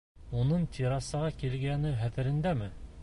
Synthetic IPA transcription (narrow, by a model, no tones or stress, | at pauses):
unɤɴt̪ʲʰiɾɑsɑʁɑkilɡænɘχæt̪ɘ̆ɾɘ̆nd̪æmɘ